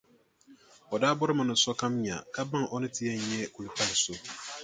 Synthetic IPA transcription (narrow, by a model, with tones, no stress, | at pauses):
ɔ˨daː˦bʊ˦ɾɪ˦mã˨nʊ̃˨sɔ˦kʰã˦mɲã̰˨kʰa˦bã˦ŋʔɔ˦nɪ̃˦tʰɪ˦ɛ˦ɲ˨ɲɛ̃˦kʰu˨lu˨˦pʰa˦lɪ˨sʊ˨